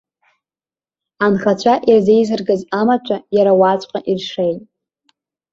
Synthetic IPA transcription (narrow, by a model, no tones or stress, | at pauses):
anχat͡ɕʷʰaʔirze̞jzɨrɡɨzamat͡ʃʷʰʼajaɾawat͡sʷʼqʼaʔirʂe̞jtʼ